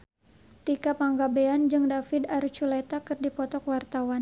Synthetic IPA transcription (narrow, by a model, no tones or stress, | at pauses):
t̪ikapaŋɡabeand͡ʒɨŋdafɪdaɾt͡ʃulɛt̪akɨrdipɔt̪ɔkwart̪awan